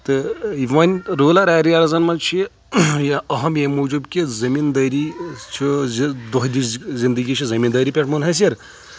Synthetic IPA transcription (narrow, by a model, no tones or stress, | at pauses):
t̪ɨiʋɐnʲɾoːlaɾaːɾiaɾɐzɐnmɐnt͡ʃʰi | jaɐɦɐmjemod͡ʒubkʲizɐmind̪ɐɾit͡ʃʰid̪oɦd̪iszind̪əɡʲit͡ʃʰizɐmʲind̪ɐːɾipʲeʈʰmɐnɦɐs̬ɐɾ